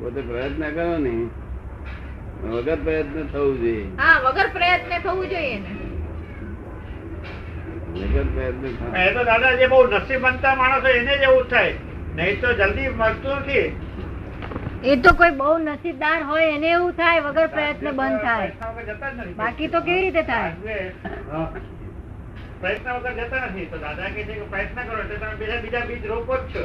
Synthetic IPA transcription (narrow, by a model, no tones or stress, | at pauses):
po̰t̪epɾəjət̪nəkəɾõnəĩ | ʋəɡəɾpɾəjət̪nət̪ʰəʋũd͡ʒojeɦaʋəɡəɾpɾəjət̪net̪ʰəʋũd͡ʒojene | ʋə̰ɡəɾpɾəjət̪nət̪ʰəpə̃et̪od̪ad̪ad͡ʒebəunəsibən̚t̪amaɽ̃ə̃sɦɔened͡ʒeʋũt̪ʰaj | nəɦĩt̪od͡ʒəld̪iməɡt̪uɾt̪ʰie | et̪okoibəunəsid̪aɾɦojeneːũt̪ʰajʋəɡəɾpɾəjət̪nebənd̪̚t̪ʰajət̪nəʋəɡəɾd͡ʒət̪ad͡ʒnət̪ʰĩbakit̪ok̬eʋiɾit̪et̪ʰajeɦə | pɾəjət̪nəʋəɡəɾd͡ʒət̪anət̪ʰĩt̪od̪ad̪aketʰekepɾəjət̪̚nəkəɾõet̪let̪əmebid͡ʒabid͡ʒabid͡ʒɾokott͡ʃʰə